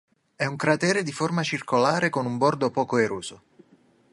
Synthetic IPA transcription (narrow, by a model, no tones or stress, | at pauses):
ɛuŋkɾat̪ɛːɾed̪iformat͡ʃirkolaːɾekonumbɔrd̪opɔːkoeɾuːz̥o